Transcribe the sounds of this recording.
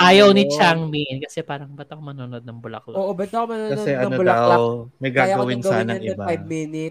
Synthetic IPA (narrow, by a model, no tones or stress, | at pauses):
ʔaːjɐwnɪt͡ʃaŋminkɐsɛpaːɾɐŋbɐt̪ɐkomɐnonod̪̚nɐŋbʊlɐ̰klʔoːʔobɐt̪ɐkomɐnoːkɐsodɛʔɐnnobʊlɐamɐjɡajɐɡɐwɪnɡsaːnɐɪbaajb̚mɪnɪt̪